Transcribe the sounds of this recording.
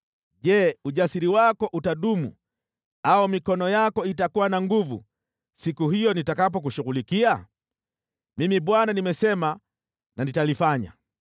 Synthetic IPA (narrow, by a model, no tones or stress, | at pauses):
ʄɛːuʄasiɾiwakɔʔutaɗumṵ | aɔmikɔnɔjakɔitakuwanaŋɡuvṵ | sikuɦijɔnitakapɔk̬uʃuɣulikia | mimiɓwananimɛsɛma | nanitalifaɲa̰